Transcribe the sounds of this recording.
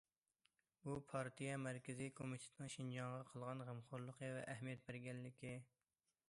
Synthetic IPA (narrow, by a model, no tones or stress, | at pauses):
bupʰɑɾt̪ʰijɛmæɾkʲɪzikʰomit̪ʰe̥t̪nɨŋʃind͡ʒɑŋʁɑqʰəlˠʁɑnʁəmχoɾlˠəqʰəvɛ̰ʔæɦmijɛt̪̚bɪɾɡʲɛnlɪkʲi